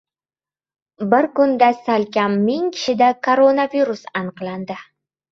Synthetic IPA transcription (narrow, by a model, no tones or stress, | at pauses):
bɪɾkʊnd̪asalkʲamːɪŋkʲʰɪ̥ʃɪd̪akʰoɾonaviɾusɑnəqlˠand̪ɪ